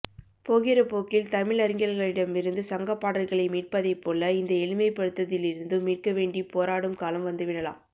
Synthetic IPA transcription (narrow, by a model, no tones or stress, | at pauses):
poːɣɪɾɐpoːkɪlt̪ɐmɪɭɐɾɪŋɡɐlɣɐɭɪɽɐmɪɾɯnd̪ɯsɐŋɡɐpːaːɽɐlɣɐɭɐɪmiːʈ̚pɐðɐɪpːoːlɐɪnd̪ɐɛlɪmɐɪpɐɽɯt̪ːɐðɪlɪɾɯnd̪ɯmiːʈ̚kɐʋeːɳɖipoːɾaːɽɯmkaːlɐmʋɐnd̪ɯʋɪɽɐla̰ːm